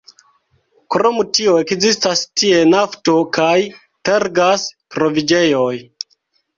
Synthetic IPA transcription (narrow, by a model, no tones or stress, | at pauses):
kɾo̞mutioe̞kzistastie̞nafto̞kaj | teɾɡaspɾo̞vid͡ʒe̞joj